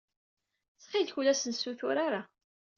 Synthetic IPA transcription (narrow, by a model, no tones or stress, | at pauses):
θχilçulæsənsuθʊɾaɾa